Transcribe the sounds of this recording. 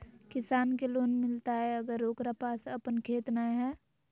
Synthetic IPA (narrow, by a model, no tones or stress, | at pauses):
kɪsaːnkeloːnmɪlt̪aɦɛəɡəɾoːkɾapaːsəpənkʰeːt̪naɦɛː